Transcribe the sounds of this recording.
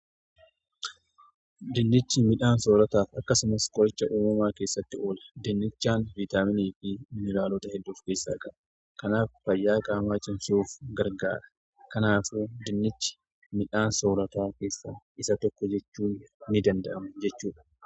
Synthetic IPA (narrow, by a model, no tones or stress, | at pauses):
d̪ɪnːɪt͡ʃːɪmɪᶑaːnso̞ːɾɐt̪aːfɐkːɐsʊmɐskʼɔɾɛt͡ʃːɐʔuːmɐmaːke̞ːsːɐt̪ːɪo̞ːlɐ̥d̪ɪnːɪt͡ʃːaːnvit̪aːmɪniːfɪɪnːɪlaːloːt̪ɐhɛd̪ːuːfkeːsːa̰ːkʼɐʔɐ̥ | kɐnaːffɐjːaːkʼaːmaːt͡ʃʼɪnsuːfɡɐɾɡa̰ːɾɐ̥ | kɐnaːfud̪ɪnːɪt͡ʃːɪ̥ | mɪᶑaːnsoːɾɐt̪aːke̞ːsːaː | ɪsɐt̪ɔkːɔd͡ʒɛt͡ʃːuːnːɪd̪ɐnd̪ɐʔɐmd͡ʒɛt͡ʃːuːᶑɐ̥